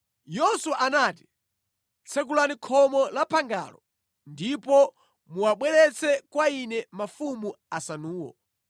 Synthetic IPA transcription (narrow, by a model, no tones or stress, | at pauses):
jɔsuwaʔanati̥ | t͡sʰɛk̬ulanikʰɔmɔlapʰaŋɡa̰lɔ̰ | ndipɔ | muwaɓwɛlɛt͡sɛkwainɛmafumu | asanuːwɔ̰